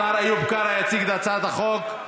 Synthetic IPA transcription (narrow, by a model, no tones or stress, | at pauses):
aɾajubkaɾajat͡siɡd̪at͡sad̪aχok